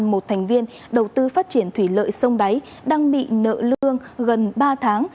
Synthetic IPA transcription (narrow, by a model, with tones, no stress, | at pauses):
nmo˨˩t̚t̪ʰɛ˨˩jŋ̟vi˧ən | ɗə˨˩wt̪ɨ˧faː˦˥t̚t͡ɕi˧˩ənt̪ʰwi˧˩lə̰ː˧˨jsə˧wŋ͡mɗa˨˦j | ɗaː˧ŋɓḭ˧˨nə̰ː˧˨lɨ˧əŋɣə˨˩nɓaː˧t̪ʰaː˨˦ŋ